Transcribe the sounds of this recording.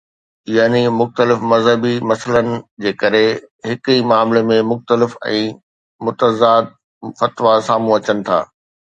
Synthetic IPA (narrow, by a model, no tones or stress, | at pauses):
jaːnimʊxt̪əlɪfmɐzɦəbimɐsələnɪ̆d͡ʑeːkɐɾeɦɪkimaːmlemẽmʊxt̪əlɪfɛ̰̃ː | mʊt̪əzaːd̪̚ | fɐt̪ʋasaːmũɐt͡ɕənɪ̆t̪ʰa̰ː